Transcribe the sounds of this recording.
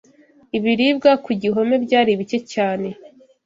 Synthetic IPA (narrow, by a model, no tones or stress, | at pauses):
iβiɾibɡakuɟiɦo̞me̞bɟaːɾiβit͡ʃe̞caːne̞